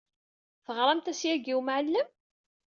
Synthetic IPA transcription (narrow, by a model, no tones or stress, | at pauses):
θəʁɾˤɑmt̪æsjæɡiwmʕəlːəm